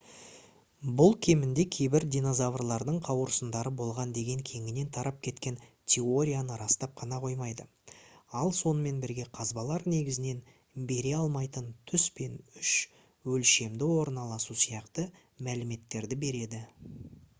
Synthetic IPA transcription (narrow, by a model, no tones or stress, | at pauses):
bʊlˠkʲʰe̞mɪnd̪e̞kʲʰe̞jbɪɾd̪ʲijno̞zavrlˠɑɾd̪əɴqʰɑwəɾsənd̪ɑɾəbo̞lˠʁɑnd̪e̞ɡʲe̞ŋkʲʰe̞ŋɪne̞nt̪ʰɑɾʔɑp̚kʲʰe̞t̪kʲe̞nt̪ʲʰe̞o̞ɾʲijanəɾɑst̪ɑp̚qʰɑnɑqʰo̞jmɑjd̪ə | ɑlˠso̞nəme̞nbɪɾɡʲe̞qʰɑzbɑlˠɑɾne̞ɡʲɪzɪne̞n | be̞ɾe̞ɑlˠmɑjt̪ənt̪ʰʏspe̞nʏʃ | wɵlʃe̞md̪ɪwo̞ɾnɑlˠɑsusijɑqt̪ə | mælɪme̞t̪ːe̞ɾd̪ɪbe̞ɾe̞d̪ɪ